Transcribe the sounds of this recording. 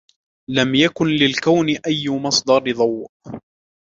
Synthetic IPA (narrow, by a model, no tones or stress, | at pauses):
lamjakʊnlɪlkawnɪʔajːʊmɑsˤd̪ɑɾðˤɑwʔ